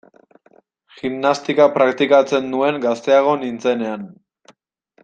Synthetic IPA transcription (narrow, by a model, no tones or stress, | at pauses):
ximnast̪ikapɾakt̪ikat͡se̞nd̪ue̞ŋɡast̪e̞aɣ̞o̞nint͡se̞ne̞an